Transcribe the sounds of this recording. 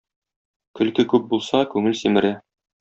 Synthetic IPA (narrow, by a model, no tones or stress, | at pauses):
kɵ̆lkɘkʉp̚bulˠsɑkʉŋɘlsimɘ̆ɾɘ